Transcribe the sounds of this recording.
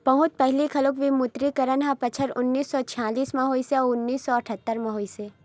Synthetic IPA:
pɐɦʊ̃t̪̚pɛɦlikʰɐlokʋimʊt̪ɾikəɾənɦãpɐt͡ʃʰəɾʊnːiːsːɔt͡ʃʰaːliːsmɐɦoːiseɔʊnːiːsːɔɐʈʰət̪ːəɾmɐɦoːise

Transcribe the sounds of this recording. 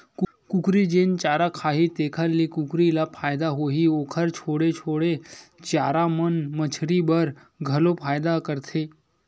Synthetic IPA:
ku | kukɾiːd͡ʑent͡ɕaɾakʰaɦiːt̪ekʰalːikukɾilapʰajd̪aɦoɦiːokʰəɾt͡ɕʰoɽet͡ʃʰoɽet͡ɕaɾamənmət͡ɕʰɾibəɾ | ɡʱəlopʰajd̪akəɾt̪ʰe

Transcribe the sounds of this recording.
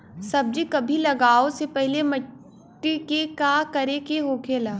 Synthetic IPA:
sɐb̚d͡ʒikɐbʱilɐɡaːosepɛɦlemɐʈː | ikekaːkɐɾekeɦoːkʰeːlaː

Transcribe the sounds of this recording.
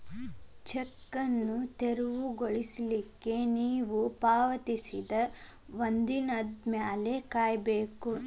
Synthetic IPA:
t͡ʃɛkːɐnːut̪eɾuʋuɡoɭislikːe̞niːʋupaːʋɐt̪isid̪ɐ | ʋond̪inɐd̪mjaːlekaːjbeːku

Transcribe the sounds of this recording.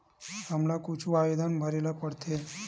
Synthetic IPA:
həmlakut͡ʃʰuajod̪ʱanbʱəɾelapəɽt̪ʰe

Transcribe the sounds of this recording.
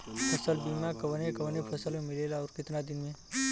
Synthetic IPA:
pʰɐsəlbiːmakɐʋnẽkɐʋnẽpʰɐsəlmẽmɪleːlaɔːɾkɪt̪nad̪ɪnmẽ

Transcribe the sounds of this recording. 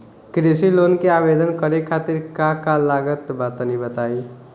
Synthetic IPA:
kɾesiloːnkeaːbed̪ənkəɾekʰaːt̪ɪɾkãkalaːɡət̪baːt̪nibət̪aːi

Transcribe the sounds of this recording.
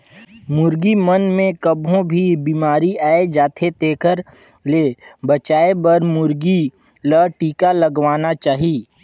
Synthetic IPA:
mʊɾɡimənmẽkəbõbʱibiːmaːɾiaːed͡ʒaːt̪ʰet̪eːkəɾ | leːbət͡ʃaːebəɾmʊɾɡi | ləʈiːkaləɡwaːnat͡ʃaːɦiː

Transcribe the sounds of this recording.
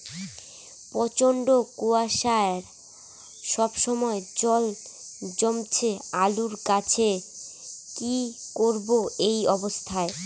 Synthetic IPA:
pɔt͡ɕoɳɖokoaʃaɾ | ʃɔbʃɔmɔed͡ʑɔld͡ʑomt͡ɕʰealuɾkat͡ɕʰe | kikoɾboejɔbost̪ʰae

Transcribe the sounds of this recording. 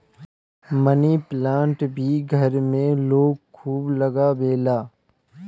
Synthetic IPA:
məniːplãːɳʈbʱiːɡʱɐɾmẽloːɡ̚kʰuːblɐɡaːbeːlaː

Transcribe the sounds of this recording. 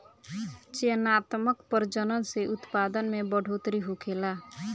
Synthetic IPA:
t͡ʃeənat̪məkpəɾd͡ʒənənseʔʊt̪pad̪ənmebəɖʱot̪ɾiɦokʰela

